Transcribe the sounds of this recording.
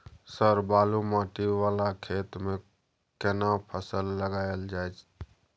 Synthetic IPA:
səɾbaːlumaːʈiʋaːlakʰeːt̪mẽ | kɛnapʰəsəlːəɡaːjəld͡ʒaːet͡ʃ

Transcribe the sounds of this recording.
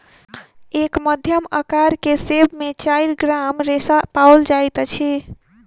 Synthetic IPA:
ekməd̪ʱjəməkaɾkesebmet͡ʃaiɾɡɾamɾesapaold͡ʒajt̪t͡ʃʰi

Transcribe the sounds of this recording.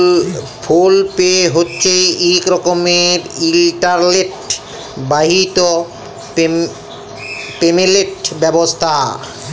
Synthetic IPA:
pʰulpeɦotːɕʰeikɾɔkomeɾilʈaɾleʈ | baɦit̪o | pe | pemeleʈbɛbost̪ʰa

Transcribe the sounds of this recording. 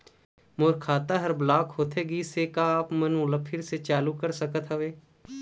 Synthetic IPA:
moːɾkʰaːt̪aɦɐɾblaːkɦoːt̪ʰeɡiːsekaːpmənmʊləpʰːɪɾset͡ʃaːlukəɾsəkət̪ɦɐʋeː

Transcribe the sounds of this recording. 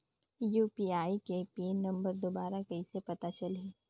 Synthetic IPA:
juːpiːaːikepinɐ̃mbəɾd̪obaːɾakɐisepɐt̪at͡ʃɐleː

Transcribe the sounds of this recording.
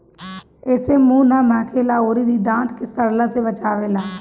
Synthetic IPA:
eːsemũːnamãːkʰeːlaːoːɾid̪iːd̪ãːnt̪kesəɽlasebət͡ʃaːʋeːlaː

